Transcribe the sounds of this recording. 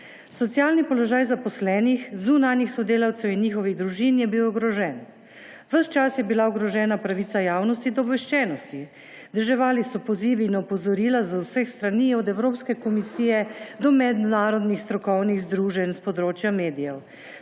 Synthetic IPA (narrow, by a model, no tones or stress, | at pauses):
sɔt̪sijaːlnipɔlɔʒaːjzapɔslɛːnixzunanjixsɔd̪eːlawt̪sɛwinːiːxɔʋiɣd̪ɾuʒinjɛbiwɔɡɾɔʒɛn | ʋəʃt͡ʃasjɛbilaɔɡɾɔʒɛːnapɾaʋit̪ajaːwnɔst̪id̪ɔbʋɛʃt͡ʃɛːnɔst̪i | d̪əʒɛʋaːlisɔpɔziːʋiːnɔpɔzɔɾiːlazawsəxst̪ɾaniːɔd̪ɛwɾoːpskɛkɔmisiːjɛd̪ɔmɛd̪naːɾɔd̪nixst̪ɾɔkɔwniɣzd̪ɾuːʒɛnspɔd̪ɾoːt͡ʃjameːd̪ijɛw